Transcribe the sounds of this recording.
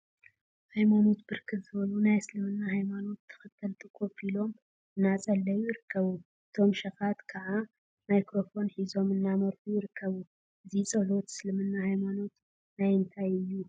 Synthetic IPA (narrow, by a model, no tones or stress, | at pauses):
hajmano̞t̪bɨɾkʰɨt̪zɨβɐlunajsɨlɨmɨnːahajmano̞t̪ʰːɨ̥xɨt̪ʰːɨlt̪ʰɨkʰo̞filo̞m | ɨnːat͡sʼɐlːɐjujɪɾɨkʰːɐβuʔɨt̪ʰo̞mʃɐxat̪kʰaʕa | majkɾo̞fo̞nħizo̞mɨnːamɐɾfujɪɾɨkʰːɐβu | ʔɨzit͡sʼɐħot̪sɨlɨmɨnːahajmano̞t̪ | najɨnt̪ʰajɨjːu